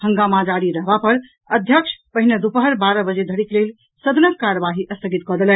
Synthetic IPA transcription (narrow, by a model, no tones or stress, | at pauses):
həŋɡamad͡ʒaɾiɾəɦbapəɾ | əd̪ʱjəkʂʰpəɦined̪upəɦəɾbaɾəbəd͡ʒed̪ʱəɽiklel | səd̪ʱnəkːaɾəbaɦiʔəst̪ʰəɡit̪kɔd̪elɛn